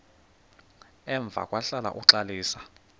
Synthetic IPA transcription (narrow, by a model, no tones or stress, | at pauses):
ɛɱb̪vʱa̰kʼwaɬala̰ʔuǁaliːsḁ